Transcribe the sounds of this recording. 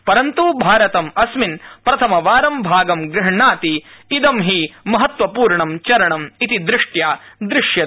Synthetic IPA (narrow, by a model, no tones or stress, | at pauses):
pɐɾɐnt̪ubʱaːɾɐt̪ɐmɐsminpɾɐt̪ʰɐmɐʋaːɾɐmbʱaːɡɐmɡɾɪɦɳaːt̪iːd̪ɐmɦimɐɦɐt̪ʋɐpuːɾɳɐmt͡ʃɐɾɐɳɐmit̪id̪ɾɪʂʈjaːd̪ɾɪʂjɐ